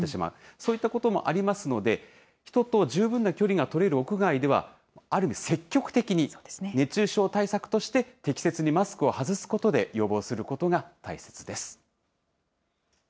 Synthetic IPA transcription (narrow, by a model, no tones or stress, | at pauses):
t̪eɕima̰ɯ̟so̞ːit̪ːako̞t̪o̞mo̞̰ʔaɾʲimasɨno̞d̪e̞ | çi̥t̪o̞t̪o̞ʑɨːbɯ̟̃nːakʲo̞ɾʲiɡat̪o̞ɾe̞ɾɯ̟o̞kɯ̟ɡaid̪e̞βa̰ | aɾɯ̟mʲise̞kʲːo̞kɯ̟̥t̪e̞kʲiɲ̟ienne̞t͡ɕɨːɕo̞ːt̪aisakɯ̟̥t̪o̞ɕi̥t̪e̞t̪e̞kʲi̥se̞t͡sɨɲ̟imasɨ̥kɯ̟o̞hazɨsɨ̥ko̞t̪o̞d̪e̞jo̞bo̞ːsɨɾɯ̟ko̞t̪o̞ɡat̪aise̞̥t͡sɨd̪e̞sɨ̥